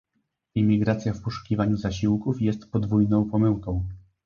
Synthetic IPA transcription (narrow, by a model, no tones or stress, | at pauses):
imʲiɡɾat̪sʲjafpɔʂu̥kʲivaɲuzaɕiwkufjɛst̪pɔd̪vujnɔ̃w̃pɔmɘwkɔ̃w̃